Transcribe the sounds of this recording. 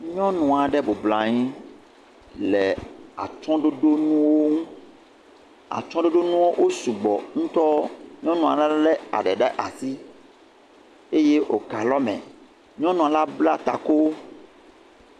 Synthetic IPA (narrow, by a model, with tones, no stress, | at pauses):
ɲɔ̃˦nũ˨a˨ɖɛ˦bo˨bla˨ɲĩ˦ | lɛ˨a̰˨t͡ʃɔ̃˦ɖo˦ɖo˦nũ˦wo˦ŋũ˦ | a̰˨t͡ʃɔ̃˦ɖo˦ɖo˦nũ˦wo˦ʔo˦su˨ɡ͡bɔ̰˨ŋũ˦t̪ɔ˦ɲɔ̃˦nũ˨a̰˨la˦lɛ˦a̰˨ɖɛ˨ɖɛ˦ʔa˨si˦ | e˦je˦ʔo˨ka˨lɔ˦mɛ̰̃˨ | ɲɔ̃˦nũ˨a˨la˦bla˦t̪a̰˨ko˦